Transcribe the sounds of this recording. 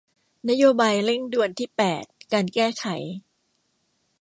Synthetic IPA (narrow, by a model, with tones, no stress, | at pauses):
na˦˥joː˧baː˧jle˥˩ŋdu˧ənt̪ʰiː˥˩pɛː˨˩t̪̚kaː˧nkɛː˥˩kʰa˩˦j